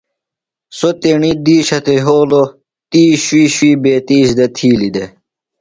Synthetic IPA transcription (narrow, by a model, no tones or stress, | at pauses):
sot̪eɳid̪iːɕɐt̪eɦoːlo | t̪iːɕwiːɕwiːbeːt̪iːɕd̪ɐt̪ʰiːlid̪e